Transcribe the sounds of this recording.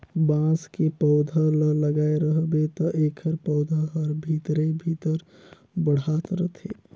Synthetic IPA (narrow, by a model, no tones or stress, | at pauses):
bãskepɔʊd̪ʱələləɡaeɾəɦbet̪ɔʔekʰəɾpɔʊd̪ʱəɦəɾbʱit̪ɾebʱit̪əɾ | bəɽ̤at̪ɾət̪ʰḛ